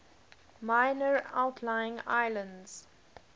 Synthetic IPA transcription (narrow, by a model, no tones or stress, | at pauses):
maɪnəɹa̰ʊtʰlaɪɪ̃ŋa̰ɪlə̃ndz̥